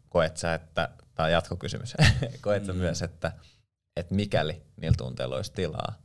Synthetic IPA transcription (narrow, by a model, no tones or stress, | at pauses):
koet̪sɑet̪ːæ̰t̪ɑijɑt̪kokysy̰myskoet̪sɑmyæset̪ːæ | et̪mikæliniːlt̪ṵnt̪ḛːlo̰ist̪ilɑ̰ː